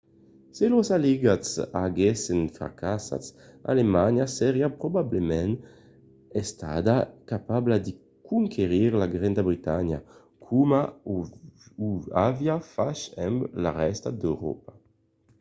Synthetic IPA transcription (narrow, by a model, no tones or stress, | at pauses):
selosaliɡasaɡesenfa̰kasa̰sa̰lemaɲjaseɾiapɾobablemɛn | est̪ad̪akapablad̪i | kuŋkʰeʁiɾlaɡɾend̪abɾit̪aɲja̰ | kʰuma | uavjafaʃɛmbla̰ʁɛst̪ad̪ewɾɔ̰pa